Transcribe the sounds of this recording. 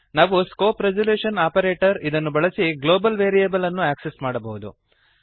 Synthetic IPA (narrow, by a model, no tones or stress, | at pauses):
naːʋuskoːpɾed͡ʒɐljuːʂɐnaːpɐɾeːʈɐɾid̪ɐnːubɐɭɐsiɡlo̞ːbɐlʋeːɾijebɐlɐnːuæːksesmaːɽɐbɐɦud̪ṵ